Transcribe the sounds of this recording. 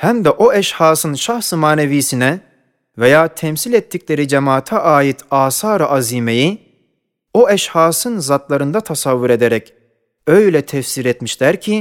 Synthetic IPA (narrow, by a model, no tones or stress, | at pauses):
hæmd̪ɛʔoɛʃhaːsɯnʃaxsɯmaːneviːsinɛ | vejaːt̪ʰɛmsilʲɛt̪ʰːicʲlʲe̞ɾid͡ʒemaːt̪ʰaʔaːjit̪ʰaːsaːɾɯʔaziːme̞ji | o̞ɛʃhaːsɯnzat̪lˠaɾɯnd̪at̪ʰasavːuɾe̞d̪eɾɛc | ø̞jlʲɛt̪ʰɛfsiɾɛt̪miʃlʲæɾcʰi